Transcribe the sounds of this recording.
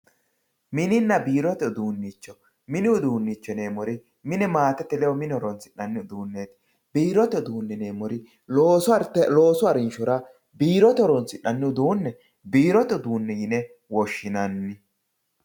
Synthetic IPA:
mɪnɪnːɐbiːɾɔt̪ɛɔd̪uːnːit͡ʃːɔ | mɪnɪʊd̪uːnːit͡ʃːɔne̞ːmɔɾɪ | mɪnɛmaːt̪ɛt̪ːɛlɛwɔmɪnɔɾɔnt͡sɪʔɐnːɪʊd̪uːnːeːt̪ɪ̥ | biːɾɔt̪ɛɔd̪uːnːɛne̞ːmɔɾɪ | loːstɛloːsʊɐɾɪnʃɔɾɐ | biːɾɔt̪ɛɔɾɔnt͡sɪʔːɐnːɪʊd̪uːnːɛ | biːɾɔt̪ɛɔd̪uːnːɛjɪnɛ | wɔʃːɪnɐnːɪ

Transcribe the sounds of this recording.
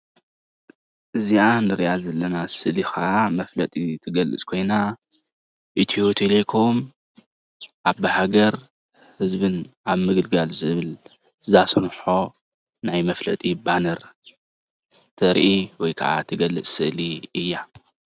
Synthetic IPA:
ʔɨziʔanɨɾijazɐlːɐnasɨʔlixaʔamɐflɐt̪ʼit̪ʰɨɡɐlɨ̰t͡sʼkʰo̞jna | ʔit̪ʰiot̪ʰilekʰo̞m | ʔaβɨhaɡɐɾ | hɨzbɨnaβmɨɡɨlɡalzɨβɨl | zasɨnħo̞ | najmɐflɐt̪ʼibanɐɾ | t̪ʰɐɾʔiwɔjkʰa̰ʔa̰t̪ʰɨɡɐlːɨt͡sʼsɨʔliɨjːa

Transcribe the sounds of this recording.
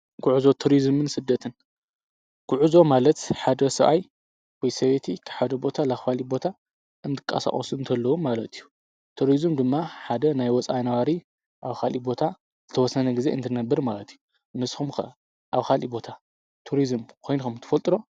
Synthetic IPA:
ɡ̥ʊʕuzo̞t̪ʰuɾizmɨnsɨd̪ːɐt̪ʰɨn | ɡ̥ʊʕuzo̞malɐt̪ħad̪ɐsɐβʔa̰j | wɔjsɐβet̪ʰikʰɐħad̪ɐbo̞t̪ʰalaxfalibo̞t̪ʰa | ʔɨnt̪ʰɨ̥kʼa̰sa̰χʼɔsunt̪ʰɐlːɐwumalɐt̪ʰijːu | t̪ʰuɾizɨmd̪ɨmːaħad̪ɐnajwɔt͡sʼajnɐwaɾi | ʔaβkʰalibo̞t̪ʰa | z̥ɨt̪ʰɐwɔsːɐnɐɡize̞ɨnt̪ʰɨnɐbːɨɾmalɐt̪ʰiju | nɨsxumkɐ̰ʔɐ | ʔaβkʰalḭbo̞t̪ʰa | t̪ʰuɾizɨmkʰo̞jnukumnt̪ʰɨfɐlt̪ʼɨɾo̞

